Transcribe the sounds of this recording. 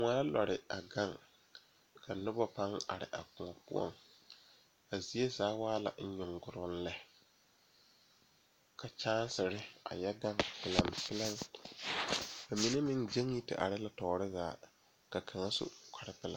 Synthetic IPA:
ŋa˦la̰˨ɾɪ˨a˨ɡa˦ŋ | kʰa˨nʊ˦ba˦pa˦ŋa̰˨ɾɪ̰˨ʔa˨kʊ˨ɔ˨pʊ̰˦ɔ̰˨ŋ | a˨zi˦e˦zaː˨˦waː˦la̰˨n̩˦ɲʊ˨ŋɡʊ˨ɾʊ˨˦n̩˦lɛ˦ | kʰa˨t͡ʃaː˦n˦sɪ˨ɾɪ˦a̰˨jɛ˦ɡa˦ŋpɪ˦la˦mpɪ˦la˦m | ba˨mi˨ne˦mɪ˦ŋd͡ʒe˦ŋji˦tɪ̰˨ʔa̰˨ɾɪ˦la˨tɔː˨ɾɪ˦zaː˨ | ka˨kʰa˨ŋa˦sʊ̰˦kʰa˨ɾɪ˦pɪ˦la̰˦

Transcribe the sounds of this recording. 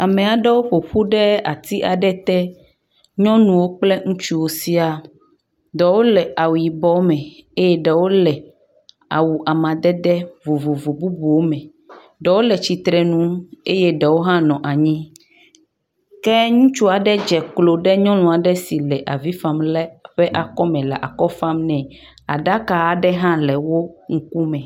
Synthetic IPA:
a˨mɛ̃˨a˨ɖɛ˦wo˦ɸo˨ɸu˦ɖɛ˦a˨t̪i˦ʔa˨ɖɛ˦t̪ɛ˦ | ɲɔ̃˦nũ˨wo˦k͡plɛ˦ŋũ˦t͡ʃu˦wo˨si˦a˨ | d̪ɛ˨wo˦lɛ˨a˨wu˨ji˨bɔ˦mɛ̃˨e˦jɛ˦ɖɛ˨wo˦lɛ˨ | a̰˨wu˨ʔa˨mã˨d̪ɛ˦d̪ɛ˦vo˨vo˨vo˨bu˦bu˨wo˦mɛ̃˨ | ɖɛ˨wo˦lɛ˨t͡ɕi˨t̪ɾɛ˨nũ˦e˦jɛ˦ɖɛ˨wo˦ɦã˦nɔ̃˨ʔa˨ɲĩ˦ | kɛ˦ɲũ˦t͡ʃu˦a˨ɖɛ˦d͡ʒɛ˨klo˨ɖɛ˦ɲɔ̃˦l̃ɔ̃˨a˨ɖɛ˦si˨lɛ˨ʔa˨vi˦fã˦mlɛ˦ɸɛ˦ʔa˨kɔ˦mɛ̃˨lɛ̰˨ʔa̰˨kɔ˦fã˦mnɛ̃˨ | a̰˨ɖa˦ka˨a˨ɖɛ˦ɦã˦lɛ˨wo˦ŋ̩˦ku˦mɛ̃˨

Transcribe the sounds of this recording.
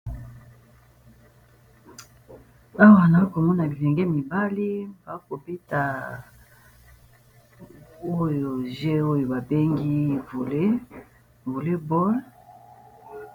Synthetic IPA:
a˦wa˨na˨˦ko˨mɔ˦na˨i˨lɛ˨ŋɡɛ˦mi˨ba˦li˦ba˨˦ko˨be˦ta˨ | o˦jo˨ʒe˦o˦jo˨ba˨be˦ŋɡi˦vo˨le˦ | vo˨le˦bɔ˦l

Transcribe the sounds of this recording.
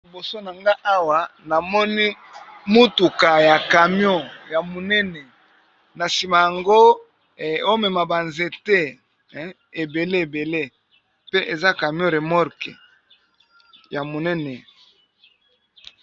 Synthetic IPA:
i˨bo˨so˦na˨ŋɡa˦ʔa˦wa˨na˨mɔ˦ni˦ | mo˦tu˨ka˨ja˨ka˨mjɔ̃˦˨ja˨mo˨nɛ˦nɛ˨ | na˨si˨ma˨ja˨ŋɡo˦˨ | o˦mɛ˨ma˨ba˨nze˨te˦ | e˨be˨le˦e˨be˨le˦ | pe˦ʔe˨za˦ka˨mjɔ̃˦ɾe˨mɔ˦ɾkḛ˨ | ja˨mo˨nɛ˦nɛ˨

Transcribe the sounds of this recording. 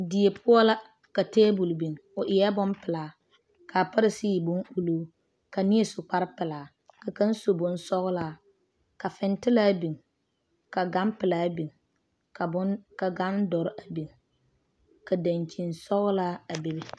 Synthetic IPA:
di˨e˨pʰʊ˦ɔ˦la˦ | ka˨teː˦bʊ˨lbi˨ŋʊ˨ʔɪ˨ɛ˦bʊ˦mpɪ˨laː˨ | kʰa˨pa˦ɾɪ˨siː˦˨bʊ˦ŋʔu˦loː˦ | ka˨ni˦e˨sʊ˨k͡pa˦ɾɪ˦pɪ˨laː˨ | ka˨ka˦n˦so˨bʊ˨nsɔ˦ɣlaː˨˦ | ka˨fɪ˨ntɪ˦laː˦bi˨ŋ | ka˨ɡa˦mpɪ˨laː˦bi˨ŋ | ka˨˦ka˨ɡa˦ndɔ˨ɾʔa˨bi˨ŋ | ka˨da˨nt͡ʃi˨nsɔ˦ɣʊ˦laː˦a˨be˦bɪ˦

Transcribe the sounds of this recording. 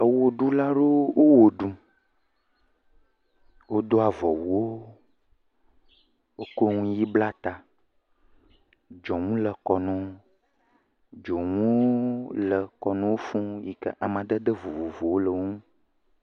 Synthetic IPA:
ə˨wo˨ɖu˦la˦ɖo˦wo˦wo˨ɖu˦ | wo˦d̪o˦a˨vɔ˨wu˨wo˦ | wo˦ko˦ŋũ˦ji˦bla˦t̪a˨ | d͡ʒɔ˨ŋũ˦lə˨kɔ˨nɔ̃˨ | d͡ʒɔ˨ŋũ˦o˦lə˨kɔ˨nɔ̃˦wo˦fũ˦ji˨kə̰˦ʔa˨mã˨ɖə˦də˦vu˨vo˨vo˨wo˦lə˨wŋũ˦

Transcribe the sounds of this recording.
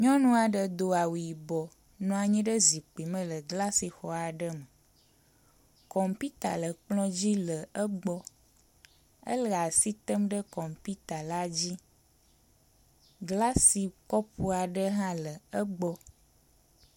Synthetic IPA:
ɲɔ̃˦nũ˦a˨ɖə˨d̪o˨a˨wu˨ji˨bɔ˨ | nɔ̃˦a˨ɲĩ˦ɖə˦zi˨k͡pi˨mə̃˦lə˨ɡla˦si˨xɔ˨a˨ɖə˦mə˨ | kɔ˨mpi˦t̪a̰˨lə˨k͡plɔ̃˦d͡ʑi˦lə˨ə˦ɡ͡bɔ˦ | ə̰˦la˨si˦t̪ə˦mɖə˦kɔ˨mpi˦t̪a˨la˦d͡ʑi˦ | ɡla˦si˨kɔ˦pu˦a˨ɖə˦ɦã˦lə˨ə˦ɡ͡bɔ˦

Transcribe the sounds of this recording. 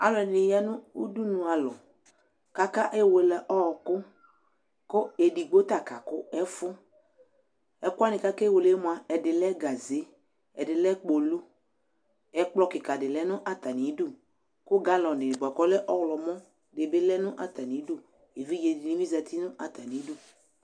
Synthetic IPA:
a̰˨lɔ˨ɛ˨ɪ˨nɪ˨ja˦nʊ̃˦u˦du˦nʊ̃˨a˨lɔ˨ | ka˦ka˦ʔe˦we˨lɛ˨ʔɔ˦ɔ˨kʊ˦ | kʊ˦e˨di˨ɡ͡bo˦t̪a˨ka˨kʊ˦ɛ˦fʊ˦ | ɛ˨kʊ˦a˦nɪ̃˨ka˦ka˦we˨lɛ˦mʊ̃˨a˨ɛ˨dɪ˨lɛ˦ɡa˨ze˨˦ | ɛ˨dɪ˨lɛ˦k͡po˨lu˦ | ɛ˨k͡plɔ˦kɪ˨ka˨dɪ˨lɛ˦nʊ̃˦ʔa˦t̪a˨nĩ˨˦du˦ | kʊ˦ɡa˨˦lɔ˨nɪ˨ba˨kɔ˦lɛ˦ʔɔ˦wlɔ˨mɔ̃˦ | dɪ˨bɪ˦lɛ˦nʊ̃˦ʔa˨t̪a˨nĩ˨˦du˦˨ | e˨vi˦d͡ʒe˨dɪ˨ni˦mĩ˦zɛ˨t̪i˦nʊ̃˦ʔa˨t̪a˨nĩ˨˦du˦˨

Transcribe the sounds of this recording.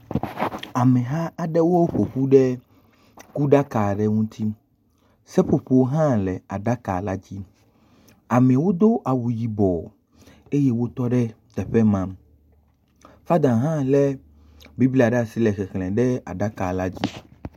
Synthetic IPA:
a˨mɛ̃˨ɦa˦a˨ɖɛ˦wo˦ɸo˨ɸu˦ɖɛ˦ | ku˦ɖa˦ka˨ɖɛ˦ŋũ˦t̪ʰi˦ | sɛ˦ɸo˨ɸu˦˨wo˦ɦã˦lɛ˨a˨ɖa˦ka̰˨la˦d͡ʑi˦ | a˨mẽ˨wo˦d̪o˦ʔa˨wu˨ji˨bɔ˨ | e˦je˦wo˦t̪ɔ˦ɖɛ˦t̪ɛ˨ɸɛ˦mã˦m | fa˦d̪ã˨ɦã˦lɛ˦ | bi˦bli˦a˨ɖɛ˦a˨si˦lɛ˨xɛ˨xlɛ̃˨ɖɛ˦a̰˨ɖa˦ka˨la˦d͡ʑi˦

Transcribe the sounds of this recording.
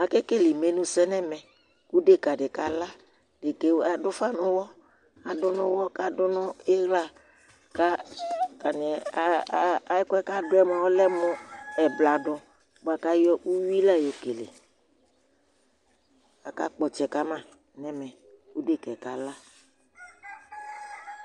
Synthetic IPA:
a˨kɛ˦ke˦˨lɪ˨me˨nʊ̃˦sɛ˦nɛ˦mɛ˨ | ku˦de˦ka˨dɪ˨ka˨la˦ | dɪ˨ke˨˦a˨dʊ˦fa˦nʊ˦wɔ˦ | a˨dʊ˦nʊ̃˦wɔ˦ka˦dʊ˦nʊ˦e˦ɣla˦ | ka˦ka˨n˨ɛ˨˦a˦ɪ˦kɛ˦ka˦dʊ˦ɛ˦mɔ˨ɔ˦lɛ˦mʊ˦ɛ˨bla˨dʊ˨ | bʊ˨a˨ka˦jɔ˦ʔu˦wi˦la˦jo˨ke˨lḛ˨ | a˨ka̰˦k͡pɔ˨t͡ʃɛ˨ka˦mã˦ | nɛ˦mɛ˨ | ku˦de˦˨kɛ˨ka˨la˦

